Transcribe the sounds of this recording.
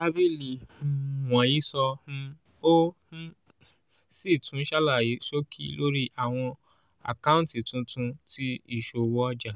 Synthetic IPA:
a˦bi˦li˨wɔ̃˨ji˨˦sɔ̃˧˦ | õ˦ | si˦˨tũ˨˦ʃa˦la˦˨ji˨˦so˦kʰi˦lo˦ɾi˦ʔa˦˨w̃ɔ̃˧ | a̰˨kã˦ũ˦n˦ti˨tũ˧tũ˧ti˦i˦˨ʃo˧˨wɔ˦d͡ʒa˦˨

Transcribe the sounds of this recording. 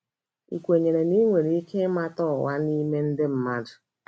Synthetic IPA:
ḭ˨kʷe˨ɲe˨ɾe˨ni˦ŋʷe˨ɾi˨i˦kʰe˦ma˦tɔ˦˨wa˦ni˦me˦n̩˦dɪ˦m̩˦ma˦dʊ˨

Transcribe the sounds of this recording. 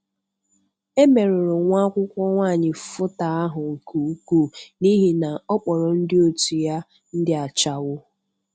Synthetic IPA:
e˦me˨ɾʊ˨ɾʊ˨ŋʷa˦kʷʊ˦kʷɔ˦ŋʷaː˦˨ɲɪ˨fʊ˦ta˨a˦ɦʊ˨ŋ̩˨ku˨˦ku˦˨ni˦ɦi˨na˨ɔ˦k͡pɔ˨ɾɔ˨n̩˦dɪ˦o˦tu˨ja˦ | n̩˦dɪ˦a˨t͡ʃa˨wʊ˦

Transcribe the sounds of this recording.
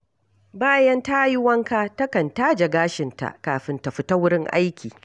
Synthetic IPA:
baː˦jɐ˦nta˦jɪ˦wɐ˦ŋkaː˦tɐ˦kɐ˨nta˦d͡ʒɐ˨ɡaː˦ʃɪ˨nta̰˨ʔkaː˨ɸɪ˨nta˨ɸɪ˦ta˦wʊ˦ɽɪ˦ŋʔa̰˦jkʲiː˨

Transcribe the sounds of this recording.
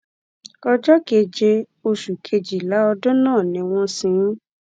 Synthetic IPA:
ɔ˧d͡ʒɔ˦ke˧d͡ʒe˧ | o˧ʃu˨kʰe˧d͡ʒi˨la˨˦ɔ˧dõ˦nãː˦˨nĩ˨˧w̃ɔ̃˦sĩ˧˦

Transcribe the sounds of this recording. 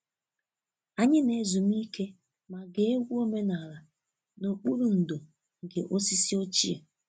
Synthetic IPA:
a˨ɲɪ˦ne˨˦zu˨m˦i˦ke˦ | ma˨ɡe˨e˦ɡʷu˦o˦me˦na˨ɾa˨ | no˨k͡pu˦ɾu˨n̩˨do˨ | ŋ̩˨ɡḛ˨ʔo˦si˦si˦o˦t͡ʃḭ˦ḛ˨

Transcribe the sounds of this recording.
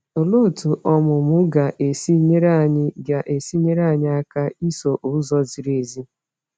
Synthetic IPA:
o˨lo˦˨tu˨ʔɔ˦mʊ˨mʊ˦ɡa˨ʔe˨si˦ɲe˦ɾa˦˨ɲɪ˦ɡa˨ʔe˨si˦ɲe˦ɾa˦˨ɲɪ˦a˦ka˦i˦so˨ʔʊ˦zɔ˦zi˨ɾe˨zi˦

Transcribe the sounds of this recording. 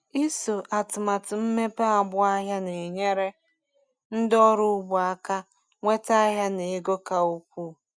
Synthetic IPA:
i˦so˨ʔa˨tʊ˨ma˨tɪ˨m̩˦me˦pe˦a˨bʊ˦a˦ɦja˦ne˨e˨ɲe˦ɾe˦ | n̩˦dɔ˦ɾʊ˦bʊ˨a˦ka˦ | ŋʷe˦ta˦ɦja˦ne˨e˦ɡo˦ka˨u˦kʷuː˦˨

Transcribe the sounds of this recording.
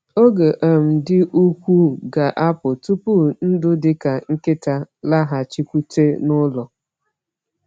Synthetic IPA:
o˦ɡe˨ʔa˨m̩˨dɪ˦ʔu˦kʷu˦ɡa˨ʔa˦pʊ˨tu˦pu˦n̩˦dʊ˦dɪ˦ka˨ŋ̩˦kɪ˦ta˦la˦ɦa˨t͡ʃi˦kʷu˦te˦nʊ˦lɔ˨

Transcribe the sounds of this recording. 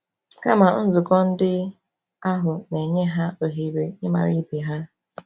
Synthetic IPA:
ka˦ma˨n̩˦zʊ˨kɔ˦n̩˦dɪ˦ | a˦ɦʊ˨ne˨ɲe˦ɦa˦o˨ɦi˨ɾe˨ɪ˦ma̰˨ɾi˦be˨ɦa˦

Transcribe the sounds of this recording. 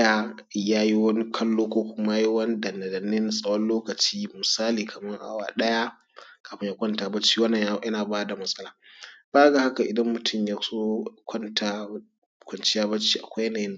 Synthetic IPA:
a˨ | jaː˦ji˦wɐ˦ni˦kʰɐ˦lːoː˦kʷoː˦kʷʊ˦ma˦ji˦wɐ˦ni˦dɐ˨nɐ˨dɐ˨nɪ˦nsʼɐ˦wɔ˦nloː˦kɐ˨t͡ʃiː˦mʊ˨saː˦liː˨kʰɐ˨mɐ˦ŋʔa̰˦wa̰ː˨ɗɐ˦ja˦ | kaː˨ɸɪ˦ja˦kʷɐ˦ntaː˨bɐ˦t͡ʃːiː˦wɐ˦nːɐ˨jɐ˦naː˨baː˦da˨mɐ˦sʼɐ˦laː˨b̥aː˦ɡa˨ha˦ka˨ʔɪ˨dɐ˦mːʊ˨tʰʊ˦˨mja˦soː˦kʷɐ˦ntʰaː˨ | kʷɐ˨nt͡ʃɪ˦jaː˦bɐ˦t͡ʃːi˦ʔa̰˨kʷa˦jɐ˦naː˨jɪ˦n˨

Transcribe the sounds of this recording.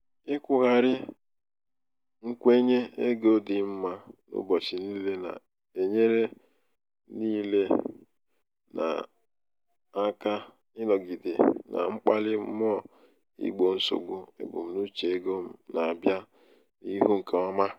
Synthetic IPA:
ɪ˦kʷʊ˦ɣa˨ɾɪ˦ | ŋ̩˦kʷe˦ɲe˦e˦ɡo˦dɪ˨m̩˦ma˦nʊ̰˦bɔ˨t͡ʃi˨ni˦le˦na̰˨ | e˨ɲe˦ɾe˦ | niː˦le˦ | na̰˨ | a˦ka˦ | ɪ˦nɔ˨ɡi˨di˨na̰˨ŋ͡m̩˦k͡pa˦lɪ˦m̩˦m˦ɔ˦˨ | ḭ˦ɡ͡bo˨n̩˦so̰˨ɡ͡bu˦ḛ˨bʊ̰˨m̩˨nu˦t͡ʃe˨e˦ɡo˦m̩˦na˨a˨bja˦ | i˦ɦu˦ŋ̩˨ka˨ɔ˦ma˦

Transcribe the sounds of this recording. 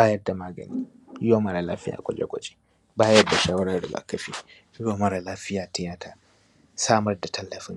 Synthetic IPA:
baː˦jɐ˦rda˨maː˦ɡɐ̰˨ni˦ | jɪ˦wa˦mɐ˦˨ɾa˨laː˦fɪ˦ja̰ː˨kʷʼɔ̰˦lḛ˦kʷɔ̰˨t͡ʃʼe̥˦ | baː˦jɐ˦rda˨ʃa˦wɐ˦ɾa˦dɪ˨ɡa̰˨kːɐ˦ɸi˦ | jʊ˦wo˦mɐ˦ɾa˨laː˦ɸɪ˦jaː˨tɛ˦ja˦tʰaː˦ | saː˦mɐ˦rda˨tʰɐ˦lːɐ˨fɪ˦ŋ

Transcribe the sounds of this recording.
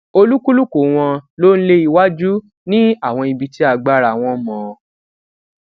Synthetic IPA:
o˧lu˦ku˦lu˦ko˨˦˨w̃ɔ̃˧lo˦˧n̩˦le˦i˧wa˦d͡ʒu˦ | nĩ˦a˦˨w̃ɔ̃˧i˧bi˧ti˦a˧ɡ͡ba˦ɾa˨w̃ɔ̃˧mɔ̃˨˧

